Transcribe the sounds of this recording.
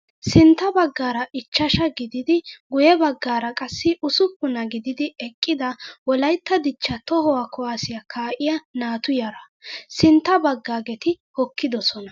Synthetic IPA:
sɪnt̪ːɐbɐɡːaːɾɐʔɪt͡ʃːɐʃɐɡɪd̪ɪd̪ɪɡʊjɛbɐɡːaːɾɐkʼɐsːɪʔʊsʊkːʊnɐɡɪd̪ɪd̪ɪɛkʼːɪd̪ɐwɔlɐjt̪ːɐd̪ɪt͡ʃːɐt̪ɔɦɔwaːkʰɔwaːsɪjɐkʰaːʔɪjɐnaːt̪ʊjɐɾɐ | sɪnt̪ːɐbɐɡːaːɡɛt̪ɪ | hɔkːɪd̪ɔsɔnɐ

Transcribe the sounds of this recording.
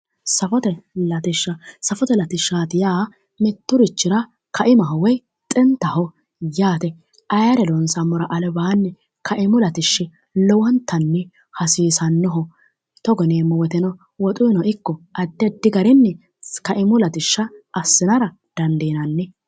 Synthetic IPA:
sɐfɔt̪ɛlɐt̪ɪʃːɐsɐfɔt̪ɛlɐt̪ɪʃːaːt̪ɪjaː | mɛt̪ːʊɾɪt͡ʃːɪɾɐ | kʰɐʔɪmɐɦɔwɛj | t̪ʼɛnt̪ːɐhɔ | jaːt̪ɛ | ʔɐjɐɾɛlɔnsɐmːɔɾɐʔɐlɛbaːnːɛ | kʰɐʔɪmʊlɐt̪ɪʃːɪ | lɔwɔnt̪ːɐnːɛ | hɐsiːsɐnːɔɦɔ | t̪ɔɡɔneːmːɔwɔt̪ɛnɔ | wɔt̪ʼʊɪnɔʔɪkːɔʔɐd̪ːɛd̪ːɪɡɐɾɪnːɛ | kɐʔɪmʊlɐt̪ɪʃːɐʔːsːɪnɐɾɐ | d̪̥ɐnd̪eːnɐnːɛ

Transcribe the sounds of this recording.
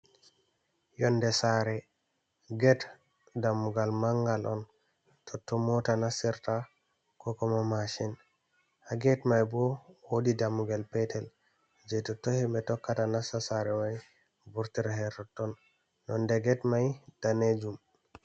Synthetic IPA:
jɔndɛsaɾɛ | ɡɛt | damːuɡalmaŋɡalʔɔn | tʰɔtːɔmɔtanasiɾta | kɔkɔmamaʃin | haɡɛtmajbɔwodidamːuɡalpɛtɛl | d͡ʒɛtɔtɔhɛmbɛtɔkːatanasasaɾɛmaj | buɾtiɾahɛtɔtːɔnː | ɔndɛɡɛtmajd̥aned͡ʒum

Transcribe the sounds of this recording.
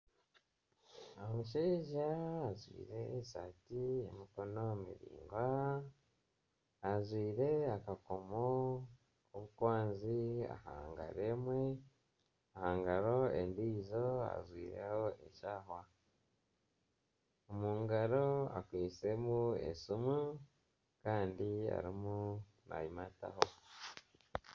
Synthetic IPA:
omuʃ̬eʒaːzwḭːɾe̞sa̰tiemiko̞no̞mḭɾḭːŋɡwa | azwiːɾe̞akako̞mo | oβukwaːnzia̰ha̰ːŋɡa̰ɾe̞ːmwe̞ | ahaːŋɡaɾo̞ḛndiːzo̞a̰zwḭːɾḛhoʔeʃaːɦwa | omuːŋɡaɾo̞a̰kwiːt͡se̞muḛsumu | kaːndia̰ɾimu | na̰jimata̰ho

